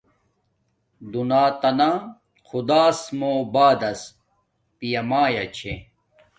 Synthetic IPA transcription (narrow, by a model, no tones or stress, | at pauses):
d̪unaːt̪ɐna | xʰud̪aːsmoːbaːd̪ɐs | pijɐmaːjɐt͡ɕʰe